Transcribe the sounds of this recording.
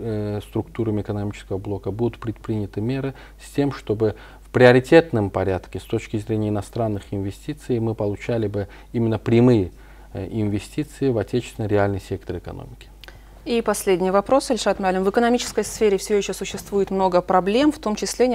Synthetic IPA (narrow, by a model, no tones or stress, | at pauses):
st̪ɾʊkt̪uɾəmʲɪɪkənɐmʲit͡ɕɪ̥skəvəblˠo̞kəbud̪ʊt̪pɾʲɪt̪̚pɾʲinʲɪt̪ɨmʲeɾɨ | sʲtʲe̞mʂt̪o̞bɨ | fpɾʲɪɐɾʲɪtʲe̞t̪nɨmpɐɾʲat̪kʲɪst̪o̞t͡ɕkʲɪzɾʲenʲɪjəɪnɐst̪ɾanːɨxɪnvʲɪsʲtʲit̪sɨjmɨpəlˠʊt͡ɕælʲɪbɨ | imʲɪnːəpɾʲɪmɨjə | ɪnvʲɪsʲtʲit̪sɨɪvɐtʲet͡ɕɪ̥svʲɪnəɾʲɪalʲnɨjsʲe̞k̚t̪əɾɨkɐ̰no̰mʲɪkʲɪ̥ | ipɐsʲlʲedʲnʲɪjəvɐpɾo̞sɐlʲʂat̪mʲalʲɪmvɨkənɐmʲit͡ɕɪ̥skəjsfʲeɾʲɪfsʲɪvʲoɪɕːosʊɕːɪst̪vujɪt̪mno̞ɡəpɾɐblʲe̞mft̪o̞mt͡ɕɪsʲlʲe